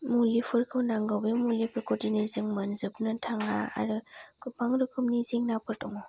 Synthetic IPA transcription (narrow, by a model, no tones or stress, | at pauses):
mulipʰɯɾkʰɯwnaŋɡawbemulipʰɯɾkʰɔdinezɯŋmɐnzɯp̚nɯtʰaŋaa̰ɾɯkʰupʰaŋɾɯkʰɯmnizeŋnapʰɯɾtɔŋɔ